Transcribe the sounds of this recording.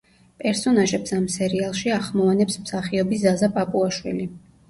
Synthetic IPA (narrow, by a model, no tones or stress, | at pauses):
pʼɛɾsɔnaʒɛpsamsɛɾialˠʃiaχmɔvanɛpsmsaχiɔbiszazapʼapʼuaʃwḭli